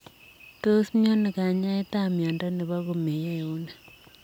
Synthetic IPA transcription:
to˦smjo˦ne˨ka˨ɲa˦e˦ta˦mjɔ˨nda˦ne˨βa˦ɣo˨me˨je˦˨u˦ne˨

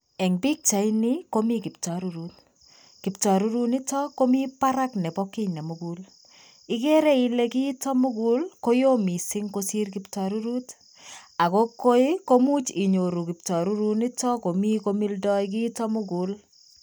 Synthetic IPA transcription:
ɛ˨ŋbi˦k̚t͡ʃa˨ɪni˦ko˦mi˦kɪ˨p̚tɔ˨ɾu˦ɾu˦t | kɪ˨ptɔ˨ɾu˦ɾu˦nɪ˦tɔ˦ko˦mi˦pa˦ɾa˦knɛ˨bɔ˦kɪ˦nɛ˨mu˨ɡu˦l | ɪ˦ke˦ɾe˦ɪ˦le˦ki˦tɔ˦mʊ˦ɡu˦lko˦jo˦mi˨sɪ˦ŋko˦si˦rkɪptɔ˨ɾu˦ɾu˦t | a˨ko˦ko˦ɪ˦ko˦mu˦t͡ʃɪ˨ɲo˨ɾu˨kɪ˨p̚tɔ˨ɾu˦ɾu˦nɪ˦tɔ˦ko˨mi˦ko˦mi˦ldɔ˦jk̬ɪ˦tɔ˦mʊ˦ɡu˨l

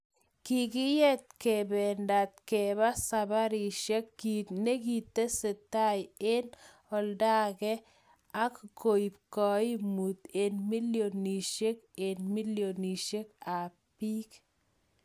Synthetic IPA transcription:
ki˨ki˦je˦t̪̚kebɛnda˨t̪̚ke˨βa˦saba˦ɾi˨ʃe˦kːine˦ki˨t̪ːe˦se˨t̪ːa˦je˦n | ɔ˨lda˦kɛ˦ | a˦kko˨i˨p̚kɔi˦mu˨t̪e˨nmi˦ljo˨ni˨ʃe˦ke˨nmi˦ljo˨ni˨ʃe˦ka˨ | pi˦k

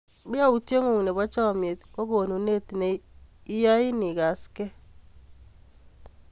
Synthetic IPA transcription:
bɪ˦a˦u˨tje˦ŋu˨ŋ˨ne˨bɔ˦t͡ʃɔ˦˨me˨t̪ko˦ɡo˨nu˨ne˦t̪ne˨i˦ja˦ɪ˦ni˨ɡa˨skɛ˦

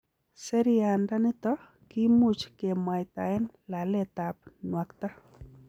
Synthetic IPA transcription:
sɛ˦ɾianda˦nɪ˦t̪ɔ | ki˦mu˦t͡ʃke˨ma˨jt̪a˨ɛ˦n | la˨lɛt̪ap̚nwa˨kt̪a˦

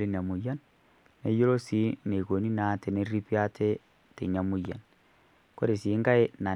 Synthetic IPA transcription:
li˦n˨a˨mu˨ja˦nː | e˦jo˦ɾo˦si˨˦ne˨ko˨ni˦na˨˦te˨ne˦ɾi˦pja˦tʰe˦ | tḛ˨ɲa˨mu˦ja̰˨n | ko˦ɾe˨si˨˦ŋɡa˦e˦na˨

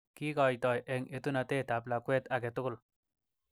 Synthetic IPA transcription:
ki˦kɔ˨jt̪ɔ˨jʔɛ˨ŋe˨t̪u˦na˧t̪e˦t̪a˨pla˨kwe˦t̪a˨ɡ̬e˨tʊ˦kʊ˦l

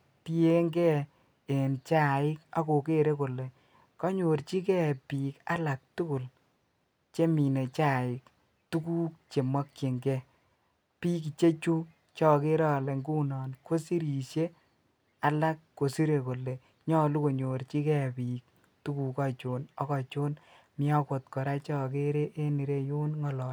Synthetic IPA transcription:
ti˦e˦ŋɡɛ˦ | e˨nt͡ʃa˦˨ɪ˦ka˦ko˨ke˦ɾe˦ko˨le˨ | kɔ˦ɲo˨ɾt͡ʃi˦k̬ɛ˦˨piː˨ka̰˦la˨k̚tu˦ku˨l | t͡ʃe˦mi˨ne˨t͡ʃa˦˨ɪ˨k | tu˦ku˦k̚t͡ʃe˨ma˦kːe˨ŋɡɛ˦ | piː˦k̬i˨t͡ʃe˦t͡ʃu˦ | t͡ʃɔ˦ke˦ɾɔ˦˨le˨ŋɡu˦nɔː˨nkʰo˦si˦ɾi˨ʃe˦ | a˦la˦kːo˨si˦ɾe˨ko˨le˨ | ɲɔ˦lu˦ko˨ɲo˨ɾt͡ʃi˦kɛ˦˨piː˨k̚ | tu˦ku˨ka˦t͡ʃo˨nɔ˦kɔ˨t͡ʃo˦n | mɪ˦ɔ˦ko˨t̚kɔ˨ɾa˦t͡ʃɔ˦ke˦ɾe˦ʔe˦ni˨ɾe˦jo˦nŋɔ˨lɔ˨

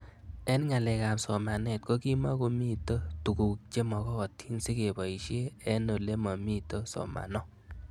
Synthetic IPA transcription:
ɛ˦nŋa˨lɛ˨ka˨msɔ˨ma˨nɛ˨t̚ko˦ki˦ma˦ko˨mi˦to˦tu˨ɡu˨k̚t͡ʃe˦mɔ˨kɔː˦˨tʰi˦nsi˦ke˨ba˨i˨ʃe˦ɛ˦no˨le˦mɔ˨mi˦to˦sɔ̰˨ma̰˨nɔ˦

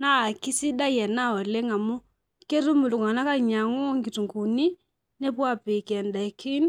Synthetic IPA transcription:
na˦˨ki˦si˦da˦jɛ˨na˦˨ɔ˨le˦ŋa˨mu˦ | ke˦ɾu˦mu˨lu˨ŋa˨na˦ka˦˨ɲa˨ŋo˦ŋɡi˨tu˨ŋku˨ni˦ | ne˦pwa˦pi˨kɛ˨nda˨ki˦n

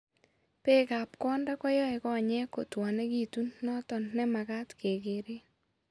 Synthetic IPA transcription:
pe˦ka˨p̚kɔ˦nda˦kɔ˦jɔ˦ɛ˨kɔ˦˨ɲɛ˦ko˨twa˨nɛ˦ɡi˦˨tu˦nːɔ˦tɔ˨nnɛ˦ma˨ka˦tke˨ɡe˨ɾe˦

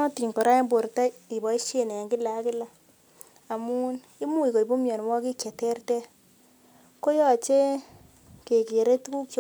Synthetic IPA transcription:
ɔ˦ti˨ŋkɔ˨ɾa˦e˦mbo˨ɾta˦i˨bɔ˨i˦ʃe˦˨ne˨a˨ŋɡɪ˦la˨˦kɪ˦la˨ | a˨mu˦n | i˦mu˦i˨ko˨i˨bo˦mjɔ˨n˨wɔ˦ki˦kjɛ˨tɛ˦rtɛ˦ | ko˦jɔ˨t͡ʃe˦ | ke˨ke˨ɾe˦tku˦kj

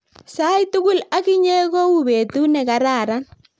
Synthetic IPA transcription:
sa˦jtʊ˦kʊ˦la˦kɪ˦ɲe˦ɣo˦u˦be˨tu˦nɛ˨ka˨ɾa˨ɾa˦n

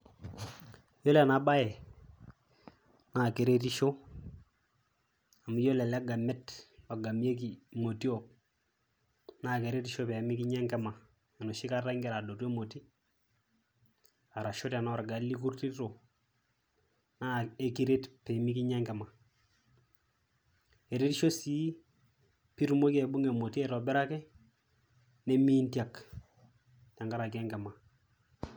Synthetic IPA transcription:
jo˦lɛ˨na˨˦ba˦jɛ˨ | na˦˨ke˨ɾe˦t̬i˦ʃo˦ | a˨mi˦jo˦lɛ˨lɛ˦ɡa˨mɛ˦twa˨ɡa˨mi˦e˦ki˨mo˨ti˦o˨p̚ | na˦˨ke˨ɾe˦ti˦ʃo˦pɛ˨˦mi˦ki˦ɲa˦ŋkɛ˦ma˨ | ɛ˨no˨ʃɪ˦ka˦ra˦ŋɡɛ˨ɾa˨do˨tu˦e˦mo˨ti˦ | a˨ɾa˨ʃo˦ta˨nɔ˦˨ɾɡa˨lːi˦k̬u˦ɾti˦to˨ | na˦e˦ki˦ɾe˦tpe˨mi˦ki˦ɲɛ˦ŋɡɛ˨ma˨ | e˨ɾe˦ti˦ʃo˦si˦ | pi˦ɾu˦mo˦ke˨bu˦ŋe˨mo˨ti˦ɛ˨ɾo˨bɛ˦ɾa˦kɛ˦ | ne˦miː˦nti˦a˨k | ta˨ŋɡa˦ɾa˨ke˦ŋɡɛ˨ma˨

